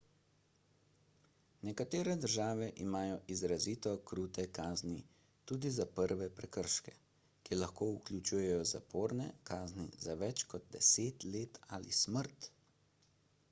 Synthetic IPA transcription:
nɛkat̪eːɾɛd̪əɾʒaːʋɛʔimaːjɔʔizɾaziːt̪ɔkɾuːt̪ɛkaːzni | t̪uːd̪izapəɾʋɛpɾɛkəɾʃkɛ | kilaxkoːuklʲut͡ʃuːjɛjɔza̰pʰoːɾnɛ̰kaːznḭzaʋɛt͡ʃkɔd̪̚d̪ɛseːt̪leːt̪alḭsməɾt̪

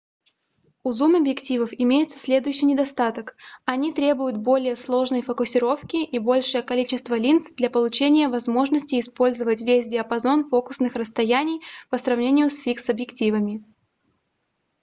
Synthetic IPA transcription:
ʊzumɐbjɪktʲivəfɪmʲejɪt̪sə̥sʲlʲe̞d̪ʊjʏɕːijnʲɪd̪ɐst̪at̪əkɐnʲit̪ɾʲebʊjʊt̪̚bo̞lʲɪjəslˠo̞ʐnəjfəkʊsʲɪɾo̞fkʲɪʔibo̞lʲʂɨjəkɐlʲit͡ɕɪst̪vəlʲint̪sd̪lʲɐpəlˠʊt͡ɕenʲɪjəvɐzmo̞ʐnəsʲtʲɪːspo̞lʲzəvətʲvʲesʲdʲɪɐpɐzo̞nfo̞kʊ̥snɨxrəst̪ɐjænʲɪjpəsrɐvnʲenʲɪjʊsfʲiksɐbjɪktʲivəmʲɪ

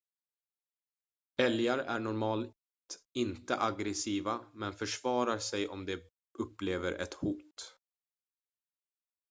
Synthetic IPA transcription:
ɛljaɾæ̰ɳɔɾmɑːl | t̪ɪnt̪əʔaɡɾɛsiːvamɛnfœʂvɑːɾaɾsɛjʔɔmd̪ɛ | ɵpːleːvəɾʔɛ̰t̪huːt̪

